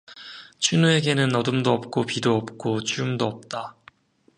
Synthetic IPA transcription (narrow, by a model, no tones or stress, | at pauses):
t͡ɕʰinue̞ɡe̞nɯnʌdɯmdoʌp̚k͈opidoʌp̚k͈ot͡ɕʰiumdoʌp̚t͈a